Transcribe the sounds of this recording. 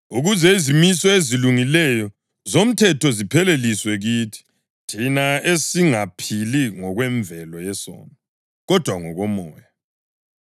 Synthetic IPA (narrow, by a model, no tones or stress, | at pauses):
uɣuzɛizimisɔeziluŋilɛjɔ | zom̩tʰɛtɔzipʰɛleliswɛɣiːtʰi̥ | tʰinaesiŋapʰiliŋɔɣwɛɱvɛlɔjɛsɔ̰ːnɔ | ɣɔd̥ʱwaŋɔɣɔmɔːja